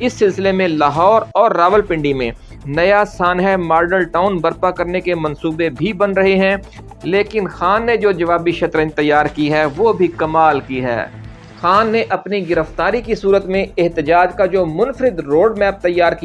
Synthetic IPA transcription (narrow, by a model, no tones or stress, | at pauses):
ɪsːɪlsɪlemẽlaːɦɔːɾɔːɾːaːʋəlpɪ̃ɳɖimḛ̃ | nɐjasaːnɦɛmaːɾɖəlʈaːʊnbɐɾpakɐɾnekemɐ̃nsuːbebʱibɐnɾɐɦeɦɛ̃ | leːkɪnxaːnːed͡ʒoːd͡ʒɐʋaːbiʃɐt̪ɾə̃ɲt̪ɐjːaːɾkiɦɛʋoːbʱikɐmaːlkiɦɛ̰ː | xaːnːeʔɐpniɡɪɾəft̪aːɾikisuːɾət̪mẽɪɦt̪ɪd͡ʒaːd͡ʒkad͡ʒoːmʊnfəɾɪd̪ɾoːɖmɛːp̚t̪ɐjːaːɾki